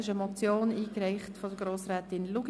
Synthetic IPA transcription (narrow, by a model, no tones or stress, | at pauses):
ɪʃəmɔt͡sjoːniːkrɛɪχtfɔd̥əɡɾoːsɾɛːtɪnluɡ̥